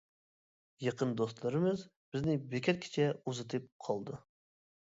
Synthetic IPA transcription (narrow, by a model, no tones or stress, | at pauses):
jɑqənd̪ost̪lˠəɾɨmɨz | b̥ɪznɪbekʲɛt̪̚kʲʰɪ̥t͡ʃʰɛuzɨt̪ʰɨp̚qʰɑlˠd̪ɨ